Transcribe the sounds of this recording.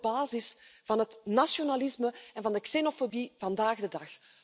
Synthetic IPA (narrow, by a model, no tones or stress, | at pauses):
baːzɪsv̥ɑnɦətnasjonalɪsməɛnvɑndəksenofobivɑndaːɣdədɑx